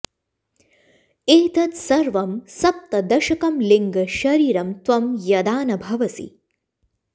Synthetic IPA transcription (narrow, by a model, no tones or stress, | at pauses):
eːt̪ɐt̪sɐɾʋɐmsɐp̚t̪ɐd̪ɐʃɐkɐmliŋɡɐʃɐɾiːɾɐmt̪ʋɐmjɐd̪aːnɐbʱɐʋɐsḭ